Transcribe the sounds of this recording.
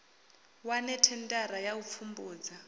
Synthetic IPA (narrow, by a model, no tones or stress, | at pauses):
wanɛtʰɛntʼaɾajaup̪fʰumbuːd͡za